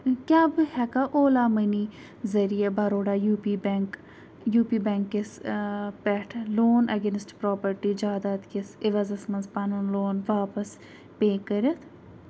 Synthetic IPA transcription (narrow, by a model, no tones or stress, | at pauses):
kʲjaːbɨhɛkaʔoːlaːməniː | zɐɾijabaɾoːɖaːjuːpiːbk | juːpiːbɛŋkːɪspɛʈʰloːnɐɡeːnsʈpɾɔːpəɾʈiːd͡ʒaːd̪aːt̪kɪsɪʋɐzɐsmɐnzpɐnunloːnʋaːpəs | peːkəɾɐt̪ʰ